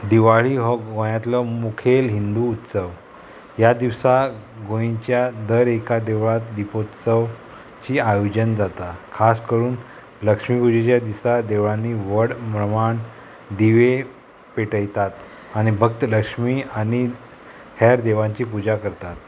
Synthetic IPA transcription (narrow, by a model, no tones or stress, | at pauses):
d̪iʋaɭiɦɔɡojãt̪lɔmukʰelɦind̪uːt̪səʋ | jad̪iʋsaɡõĩt͡ɕjad̪əɾekad̪eʋɭat̪d̪ipot̪səʋ | t͡ɕiːajod͡ʑənd͡zat̪akʰaskəɾuːn | ləkʂmiːpud͡ʑet͡ɕjad̪isad̪eʋɭanːiʋəɽmɾəmaɳ | d̪iʋe | peʈəjt̪at̪ | aɽ̃ibʱək̚t̪ələkʂmiːaɽ̃i | hɛɾd̪eʋãɲt͡ɕiːpud͡ʑakəɾt̪at̪